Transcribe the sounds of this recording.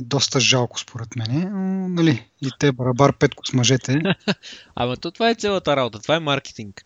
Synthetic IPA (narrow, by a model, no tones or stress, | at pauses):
d̪ɔst̪əʒalˠkʊ̥spʰoɾɛt̪mɛnɛonɐliit̪ɛbɐɾɐbaɾpɛt̪kʊ̥smɐʒɛt̪ɛ | ɐ̰mɐt̪ɔt̪ovaɛt̪sɛlˠət̪əɾabot̪ət̪ovaɛmaɾk̟ɛ̥t̪iŋk